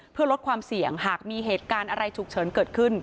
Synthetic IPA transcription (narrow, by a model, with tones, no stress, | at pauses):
pʰɯ˥˩ɐlo˦˥t̪̚kʰwaː˧msi˨˩əŋɦaː˨˩k̚miː˧ɦeː˨˩t̪̚kaː˧nʔa˧ɾa˧jt͡ɕʰu˨˩k̚t͡ɕʰɤː˩˦nkɤː˨˩t̪̚kʰɯ˥˩n